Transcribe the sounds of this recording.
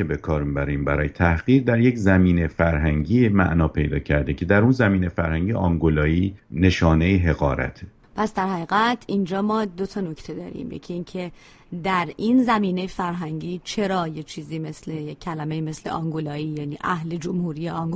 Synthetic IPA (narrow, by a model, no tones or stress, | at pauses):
ebe̞kʰɒːɾmibæɾiːmbæɾɒːjet̪ʰæhɢiːɾd̪æɾje̞czæmiːnefæɾɦæŋɟiːmæ̰ʔnɒːpʰe̞̰jd̪ɒ̰ːcʰæɾd̪ecʰe̞d̪æɾunzæmiːnefæɾhæŋɟiʔɒŋɡolɒːiːne̞ʃɒːne̞jeɦe̞ɣɒ̰ːɾæ̰t̪ʰ | pʰæsd̪æɾhæɣiːɣæt̪ʰind͡ʒɒːmɒːd̪o̞t̪ʰɒːno̞ct̪ʰe̞d̪ɒ̰ːɾḭːmjḛcʰiiːncʰe̞ | d̪æɾinzæmiːne̞jefæɾɦæŋɟiːt͡ʃʰe̞ɾɒːjet͡ʃʰiːziːme̞sle̞jekʰːælæmejime̞sle̞̰ʔɒŋɡolɒːiːjæːniːʔæhle̞d͡ʒomhuːɾiːjeɒŋɡ